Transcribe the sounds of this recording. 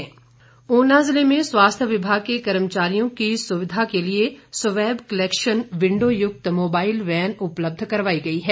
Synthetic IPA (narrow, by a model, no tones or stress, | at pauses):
ɛː | oːnaːzɪlemẽsʋaːst̪ʰjəʋɪbʱaːɡ̚kekɐɾmt͡ʃaːɾijõkisʊʋɪd̪ʱakeliesɐʋɛːbkɐlɛːkʃənʋɪ̃ɳɖoːjʊk̚t̪moːbaːɪlʋɛːnʊpləb̚d̪ʱkɐɾʋaːiɡɐiɦɛː